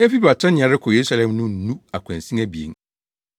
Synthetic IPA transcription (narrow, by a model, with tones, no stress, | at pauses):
ɛ˦fi˦ba˨tʰɛ̃˦ñ˨ã˨ɾɪ˦kʰɔ˨je˨ɾu˦sa˦˨lɛ̃˨mnʊ̃˦n̩˨nũ˦a˨kʷʰã˨n˨sĩ˦æ˦bi˨ḛ˨ŋ˦